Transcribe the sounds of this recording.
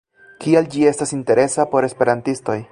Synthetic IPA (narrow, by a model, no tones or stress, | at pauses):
kiald͡ʒie̞stasinte̞ɾe̞sapo̞ɾe̞spe̞ɾantisto̞j